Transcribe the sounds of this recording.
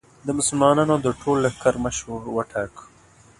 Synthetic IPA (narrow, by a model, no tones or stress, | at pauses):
d̪əmʊsʊlmɑnɑnod̪əʈʰolːəxkaɾməʃwuɾwəʈʰak